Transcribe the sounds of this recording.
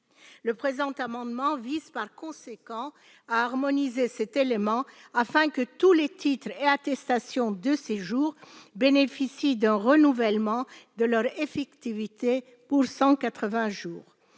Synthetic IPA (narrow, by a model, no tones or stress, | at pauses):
ləpχezɑ̃t̪amɑ̃d̪mɑ̃vizpaʁkɔ̃sekɑ̃ | aːʁmɔnizesɛt̪elemɑ̃afɛ̃kət̪ulet̪it̪χeat̪ɛst̪asjɔ̃d̪əseʒuːʁbenefisid̪ɛ̃ʁənuvɛlmɑ̃d̪əlœʁefɛkt̪ivit̪e | puʁsɑ̃kat̪χəvɛ̃ʒuːʁ